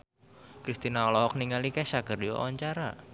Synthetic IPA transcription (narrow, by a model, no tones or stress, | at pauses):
kɾist̪inaɔlɔhɔk̚niŋalikɛsakərdiwɔ̰ɔɲt͡ʃaɾa̰